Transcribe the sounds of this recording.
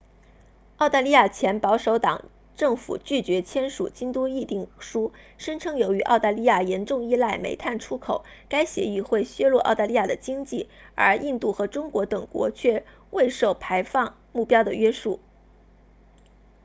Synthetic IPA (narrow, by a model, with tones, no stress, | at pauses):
ɑ˥˧ʊt̪a˥˧li˥ja˥˩t͡ɕʰjɛ˧˥npɑ˧˥ʊʂo˧˥ʊt̪ɑ̰˨˩ŋ | ʈ͡ʂɤ˥˩ŋfṵ˨˩t͡ɕy˥˩t͡ɕɥɛ˧˥t͡ɕʰjɛ˥nʂṵ˨˩t͡ɕi˥ŋt̪u˥i˥˧t̪i˥˩ŋʂu˥ | ʂə˥nʈ͡ʂʰɤ˥ŋjo˧˥ʊy˧˥ʔɑ̰˥˧ʊt̪a˥˧li˥ja˥˩jɛ˧˥nʈ͡ʂʊ˥˧ŋi˥la˥˩ɪmḛ˧˥ɪt̪ʰa˥˩nʈ͡ʂʰu˥kʰo˨˩˦ʊka˥ɪɕjɛ̰˧˥i˥˧xwe˥˩ɪɕɥɛ˥lwɔ˥˧ʔɑ̰˥˧ʊt̪a˥˧li˥ja˥˩d̪ə˩t͡ɕi˥ŋt͡ɕi˥˩ə̰˞˧˥ʔi˥˧nt̪u˥˩xɤ˧˥ʈ͡ʂʊ˥ŋkwɔ˧˥t̪ɤ˨˩ŋkwɔ̰˧˥t͡ɕʰɥɛ˥˩ | wʔe˥˧ɪʂo˥˩ʊpʰa˧˥ɪfɑ˥˧ŋ | mu˥˩pjɑ˥ʊd̪ə˨ɥɛ˥ʂu˥˩